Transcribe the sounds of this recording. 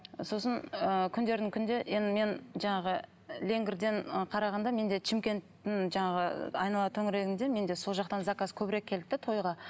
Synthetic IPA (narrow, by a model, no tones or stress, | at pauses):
so̞sənəkʲʰʏnd̪e̞ɾd̪ɪŋkʲʰʏnd̪e̞ʔe̞nd̪ɪme̞nʒɑɴɑʁə | lʲe̞ŋɡʲɪɾd̪e̞ɴqʰɑɾɑʁɑnd̪ɑme̞nd̪e̞t͡ʃʰɪmkʲe̞nt̪ːɪŋʒɑɴɑʁə̰ɑ̰jnɑlˠɑt̪ʰɵŋɪɾe̞ɡʲɪnd̪e̞me̞nd̪e̞so̞lˠʒɑq̚t̪ɑnzɑkaskʲʰɵbɪɾe̞kʲʰːe̞lt̪ːɪt̪ʰo̞jʁɑ